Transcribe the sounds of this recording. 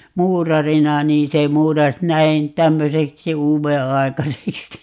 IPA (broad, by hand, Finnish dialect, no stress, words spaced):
muːrɑrinɑ niːn se muːrɑs næin tæmːøseksi uːʋeɑi̯kɑseksi